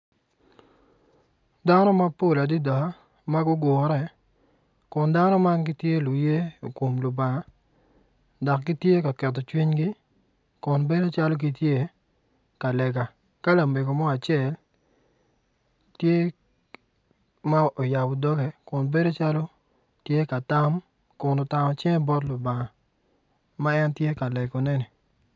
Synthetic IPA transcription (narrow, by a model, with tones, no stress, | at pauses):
da˦nɔ˦ma˦po˦˨la˨di˦dɔ˨ha˦ | ma˦ɡʊ˦ɡʊ˨˦ɾɛ˦ | kʊ˨nda˦nɔ˦ma˦ŋɡɪ˦tje˦lu˨je˦o˨ko˨mlʊ˨ba˨ŋa˨ | dɔ˨kɡɪ˦tje˦ka˨kɛ˨t̬ːɔ˨t͡ʃwi˦ɲɡɪ˦ | kʊ˨nbe˦do˦t͡ʃa˦lo˦k̬i˨tje˦ | ka˨lɛ˨ɡa˨ | ka˦la˨me˨ɡo˨mɔ˦a˨t͡ʃjɛ˨l | tje˦ | ma˦o˨ja˨bɔ˨dɔ˦ɡɛ˨kʊ˨nbe˦do˦t͡ʃa˦lo˦ | tje˦ka˨ta˦m | kʊ˨no˨ta˨mɔ˨t͡ʃɛ˦ŋ˦bɔ˦tlʊ˨ba˨ŋa˨ | ma˦ɛ˦ntje˦ka˨lɛ˨ɡo˨nɛ˦ni˨